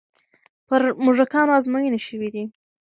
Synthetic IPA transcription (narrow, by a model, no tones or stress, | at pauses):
pəɾmʊʐakɑnɑzmajineʃəwid̪i